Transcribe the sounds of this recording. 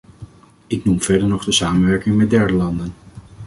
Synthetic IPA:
ɪknumv̥ɛɹdəɹnɔχdəsaːmənʋɛɹkɪŋmɛt̚dɛɹdəlɑndən

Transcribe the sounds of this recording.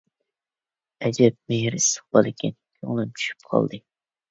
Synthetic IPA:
ɛd͡ʒɛp̚mejɾist̪ə̥χbɑlˠɪkʲʰɛnkʲʰø̰ŋlˠɨmt͡ʃʰy̥ʃy̥p̚qʰɑ̰lˠd̪ɨ

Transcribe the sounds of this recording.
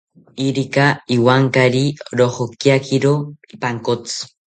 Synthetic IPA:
iɾikaiwaŋkaɾiɾoχokjakʰiɾoipaŋkot͡s

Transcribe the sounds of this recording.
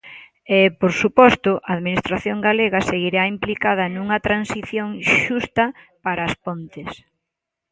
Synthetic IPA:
epoɾsupɔst̪ʊʔaːðminist̪ɾaθjoŋɡaleɣɐseɣiɾaimplikað̞ɐnũŋɐt̪ɾansiθjoŋʃust̪ɐ | paɾɐspont̪ɪs

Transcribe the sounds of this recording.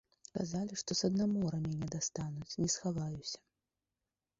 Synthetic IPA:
kazalʲiʂt̪ɔsɐd̪namɔɾɐmʲinʲɛd̪ast̪anut͡sʲnʲɛsxavajusʲɐ̥

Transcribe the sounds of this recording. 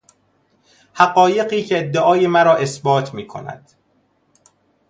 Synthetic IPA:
hæɢɒːje̞ɢiːcʰeːd̪ːeʔɒːjemæɾɒːʔe̞sbɒːt̪ʰmiːkʰo̞̰næ̰d̪̥

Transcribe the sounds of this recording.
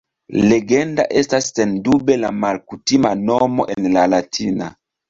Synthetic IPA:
leɡɛndaʔestasːendubela̰malkutimanɔmo̰ʔenlalatʰina̰

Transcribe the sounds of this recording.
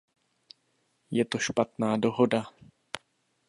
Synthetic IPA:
jɛt̪o̞ʃpat̪naːdo̞ɦo̞da

